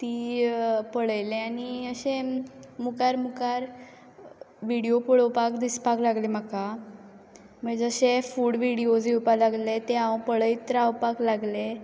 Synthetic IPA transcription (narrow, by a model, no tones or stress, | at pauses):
t̪iːpəɽəjleañiəɕẽmukaɾmukaɾ | ʋiɽijopəɭəwpakd̪ispaklaɡlem̤aka | məɡd͡zəɕefuːɽʋiɽiod͡ziwpalaɡlet̪eãwpəɽəjt̪ɾawpaklaɡle